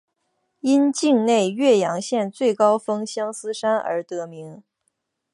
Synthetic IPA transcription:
i˥nt͡ɕi˥˧ŋne˥˧ɪɥɛ˥˩jɑ˧˥ŋɕjɛ˥˧nt͡swe˥˩ɪkɑ˥ʊfɤ˥ŋɕjɑ˥ŋsɹ̩˥ʂa˥nə̰˞˧˥t̪ɤ˧˥mi˧˥ŋ

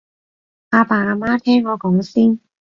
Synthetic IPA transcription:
aː˧paː˨˩aː˨˧˩maː˥t̪ʰɛː˥ŋːɔː˨˧kɔ˨˥ŋsiː˥n

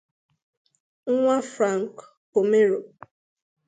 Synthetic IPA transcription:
ŋ̩˦ŋʷa˦fɾa˦˨ŋ̩˨k | po˨me˦ɾo˨

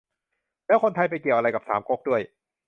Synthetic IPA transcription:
lɛː˦˥wkʰo˧nt̪ʰa˧jp̬a˧jki˨˩əwʔa˧ɾa˧jka˨˩sa̰ː˩˦mko˦˥k̚du˥˩əj

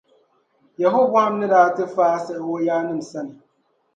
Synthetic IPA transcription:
jɛ˨ɦo˦ba˦a˦m˦nɪ̃˦daː˦tɪ˦faː˦a˦sɛ˨ʔwo˦jaː˦nɪ̃˦˨m̩˨sɛ˦nɪ˨

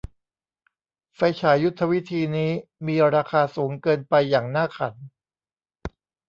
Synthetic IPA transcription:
fa˧jt͡ɕʰaː˩˦ju˦˥t̪ʰːa˧wi˦˥t̪ʰiː˧niː˦˥miː˧ɾaː˧kʰaː˧suː˩˦ŋkɤː˧npa˧jːaː˨˩ŋnaː˥˩kʰa̰˩˦n

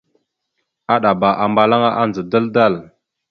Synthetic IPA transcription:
a˦ɗa˨ba˨ʔa˨mba˨la˦ŋa˦ʔa˦nd͡zə˨da˦lda˦˨l

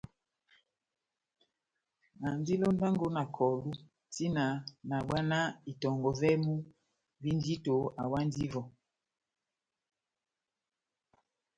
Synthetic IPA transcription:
na˨ndi˦lo˦n˦da˦ŋɡo˦na˨kʰɔ˨lu˦ | ti˦na˨na˨ɓwa˦na˦i˨tɔ˨ŋɡɔ˨vɛ˦mu˦ | vi˦n˦di˦to˨a˨wa˦n˦di˦vɔ˨

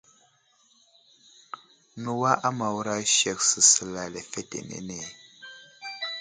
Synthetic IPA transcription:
nu˨wa˦ʔa˦ma˨wɾa˦ʃɛ˨k̚sɨ˨sɨ˨la˨lɛ˨fɛ˦tḛ˨nḛ˨nɛ˨

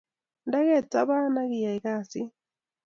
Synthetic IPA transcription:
ndɛ˦ɣɛ˦˨t͡sa̰˦βa˦na˦ɣi˨ja˨iɣa˦˨si˦

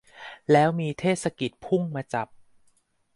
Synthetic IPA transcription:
lɛː˦˥wmiː˧t̪ʰeː˥˩t̪̚sa˧ki˨˩t̪̚pʰu˥˩ŋmaː˧t͡ɕa˨˩p̚

